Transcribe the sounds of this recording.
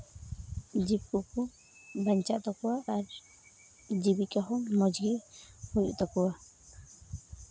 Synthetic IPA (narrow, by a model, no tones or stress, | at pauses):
d͡ʒib̚kuku | baɲt͡ʃaʔt̪ɔkɔwaʔːɾ | d͡ʒibikaɦɔmɔd͡ʒɡihujʔt̪ɔkɔwa